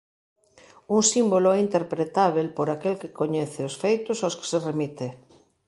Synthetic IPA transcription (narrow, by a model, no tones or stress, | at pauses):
uŋsimboloɛint̪eɾpɾet̪aβ̞elpoɾakelkɪkoɲɛθeosfejt̪ʊsaske̥seremit̪e